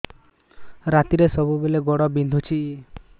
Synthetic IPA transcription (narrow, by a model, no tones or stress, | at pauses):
ɾat̪iɾesɔbubeleɡɔɽɔbind̪ʱut͡ʃʰi